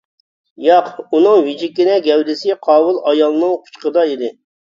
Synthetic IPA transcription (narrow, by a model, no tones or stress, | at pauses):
jɑqunɨŋwid͡ʒikʲːinɛɡʲɛwd̪ɪsɪqʰɑːwʊlˠɑjɑlˠnɨŋqʰʊ̥t͡ʃqəd̪ɑid̪ɪ